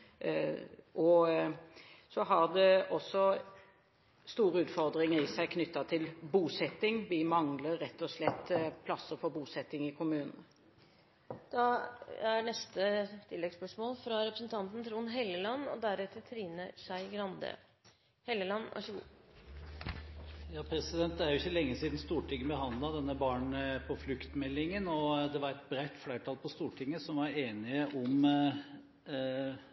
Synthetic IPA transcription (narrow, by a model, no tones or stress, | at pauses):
ʔɔ | sɔɦɑʁd̪ɛɔsːɔ | st̪uːɾəʉːt̪fɔʁd̪ʁɪŋəɾɪsæɪkʰnʏt̪ːɑt̪ʰɪlbuːsɛt̪ːɪŋʋɪmɑŋləɛt̪ːɔslɛt̪ːpʰlɑsːəɾfɔɾbuːsɛt̪ːɪŋɪkʰʊmʉːnn̩ | d̪̥ɑæɳɛst̪ət̪ʰɪlːɛɡspœʂmoːlfɾɑɾɛpɾəsnt̪ʰɑnt̪n̩t̪ʰɾuːnɦɛlːəlɑnːɔ̰d̪æɾɛt̪ʰːət̪ʰɾiːnəʂæɪɡɾɑnd̪ə̰ | hɛlːəlɑnːʔɑ̰ʂəɡṵː | jɑːpʰɾɛsɪd̪ɛnt̪̚d̪ɛæɾjʊɪçːəlɛŋːəsiːd̪n̩st̪uːʈɪŋːəbəɦɑnd̪lɑd̪ɛnːəbɑːɳpʰɔflʉkt̪mɛlːɪŋənɔd̪ɛʋɑɾɛt̪̚bɾæɪt̪flæɪʈʰɑːlpʰɔst̪uːʈʰɪŋːəsɔmʋɑɾeːnɪəʔɔm